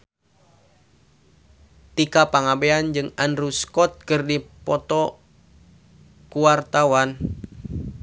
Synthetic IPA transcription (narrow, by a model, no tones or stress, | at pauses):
t̪ikapaŋabeand͡ʒɨŋanɾuskɔt̪̚kɨrdipɔt̪ɔ | kuwart̪awan